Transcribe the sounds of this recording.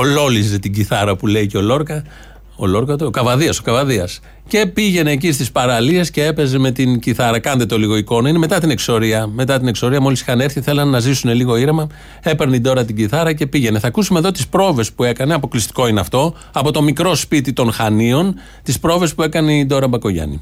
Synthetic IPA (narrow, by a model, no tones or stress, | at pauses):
olo̞lize̞t̪iɟiθɐɾɐpule̞ijceo̞lo̞ɾkɐ | olo̞ɾkɐt̪okɐvɐðiɐso̞kɐvɐðiɐs | ce̞piʝe̞ne̞ːcist̪ispɐɾɐlie̞sce̞e̞pe̞zeme̞t̪inɟiθɐɾɐkɐnd̪et̪o̞liɣo̞iko̞nɐine̞me̞t̪ɐt̪ine̞kso̞ɾiɐme̞t̪ɐt̪inekso̞ɾiɐmo̞lisi̥xɐne̞ɾθiθe̞lɐnːɐzisune̞liɣo̞iɾemɐ | e̞peɾneid̪o̞ɾɐt̪̬iɟiθɐɾɐce̞piʝe̞ne̞θɐkusume̞ðo̞t̪ispɾo̞ve̞spue̞kɐne̞ɐpo̞klist̪i̥ko̞ineɐft̪o̞ | ɐpo̞t̪o̞mikɾo̞spit̪it̪o̞nxɐnio̞n | t̪ispɾo̞ve̞spue̞kɐne̞id̪o̞ɾɐbɐko̞ʝɐ̰nḭ